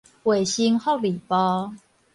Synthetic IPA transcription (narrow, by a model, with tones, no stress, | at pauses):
we˨˩ɕi˦ŋho˥˨li˨˩pɔ˦